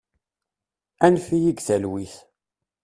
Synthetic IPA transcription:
ænfijiɡθælwiθ

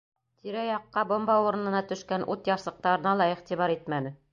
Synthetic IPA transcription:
t̪ʰiɾæjɑqːɑbŏmbɑuɾɤ̆nɤ̆nɑt̪ɵ̆ʃkænʔut̪jɑɾsˠɤ̆q̚t̪ɑɾɤ̆nɑlˠɑiʁt̪iβɑɾit̪̚mænɘ

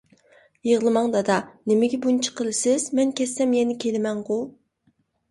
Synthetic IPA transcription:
jeʁlˠɨmɑŋd̪ɑd̪ɑnɪmɪɡʲɛbunt͡ʃʰə̥qʰəlˠɨsɪz̥mɛnkʲʰɛsːɛmjɛnɪkʲʰelɪmɛŋʁu

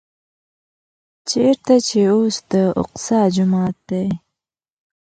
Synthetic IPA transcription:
t͡ʃʰeɾt̪at͡ʃʰeosd̪̥əʊ̰qsɑd͡ʒʊmɑːt̪̚d̪aj

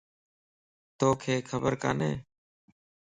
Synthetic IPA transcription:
t̪oːkʰeːkʰəbəɾka̰ːnḛː

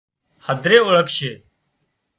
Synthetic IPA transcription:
həd̪ʱɾeːʊɭəkʃeː

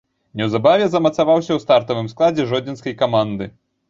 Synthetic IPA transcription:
nʲɛwzabavʲɛzɐmɐt̪savawsʲɐwst̪art̪ɐvɨmsklˠad͡zʲɛʐɔd͡zʲinskɐjkamand̪ɨ

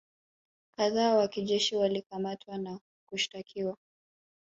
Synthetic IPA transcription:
kaðaːwakiʄɛʃiwalikamatʰwana | kuʃi̥takʰiwa

